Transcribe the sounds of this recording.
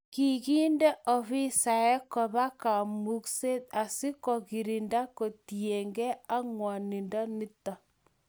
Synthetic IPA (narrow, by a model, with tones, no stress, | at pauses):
ki˨ki˦nde˦ʔɔ˨βi˦sa˨e˦kɔ˨βa˦ka˨mu˦kse˦t̚a˨si˦kɔ˨ki˨ɾi˨nda˦ko˨tie˨ŋɡe˦a˦ŋwa˨ni˨nda˦ni˦ta˨